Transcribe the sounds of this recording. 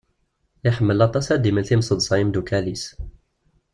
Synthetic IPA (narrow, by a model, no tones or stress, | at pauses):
jaħəmːəlːæt̪ˤːɑsæd̪iməlθimsˤəd̪ˤsˤɑjəmd̪ukælis